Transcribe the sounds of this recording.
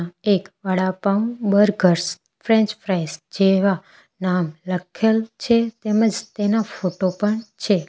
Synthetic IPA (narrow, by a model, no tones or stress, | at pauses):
ekʋəɽapambəɾɡʱəɾs | fɾẽɲt͡ʃpʰɾajsd͡ʒeʋa | namləkʰelt͡ʃʰet̪eməd͡ʒt̪enafoʈopəɳt͡ʃʰe